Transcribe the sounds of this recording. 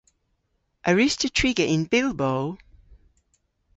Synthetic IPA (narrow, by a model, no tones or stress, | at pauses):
ʔəɹɪstʰətʰɹ̥ɪɡəʔɪ̃nbɪlˠboʊl